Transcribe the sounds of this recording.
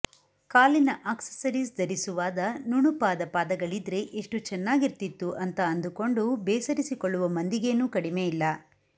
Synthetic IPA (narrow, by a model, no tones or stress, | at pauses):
kaːlinɐʔaːksɐ̥sɐɾisd̪ɐɾisuʋaːd̪ɐnuɳupaːd̪ɐpaːd̪ɐɡɐɭid̪ɾe̞ʔeʂʈut͡ʃɛnːaːɡiɾt̪it̪ːuʔɐnt̪ɐɐnd̪uko̞ɳɖubeːsɐɾisikoɭːuʋɐmɐnd̪iɡe̞ːnuːkɐɽimejilːɐ